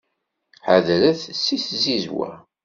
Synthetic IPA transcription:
ħaðɾæθsːiθzizwæ̰

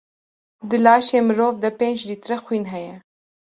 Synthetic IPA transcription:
d̪əlɑːʃemɾoːvd̪apenʒd̪it̪ɾaxwinɦaja

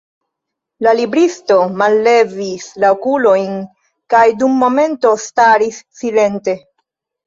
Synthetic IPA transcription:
lalibɾisto̞malːe̞vislaokulo̞jn | kajdumːo̞me̞nto̞staɾisːile̞nte̞

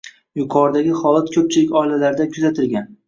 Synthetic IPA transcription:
jʊqʰɒɾd̪aɡʲɪχɒlˠat̪kʲʰɵp̚t͡ʃʰɪlɪkʲɒilalaɾd̪akʲʰʊzat̪ʰɪlɡʲan

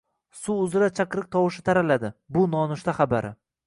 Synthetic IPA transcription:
suʊzɪɾat͡ʃʰaqɾɪk̚t̪ʰɒwɪʃɪt̪ʰaɾalad̪ɪbʊnɒnʊʃt̪aχabaɾɪ

